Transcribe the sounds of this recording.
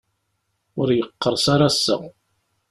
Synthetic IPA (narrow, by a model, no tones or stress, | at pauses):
ʊɾjəqːəɾˤsaɾasːə̰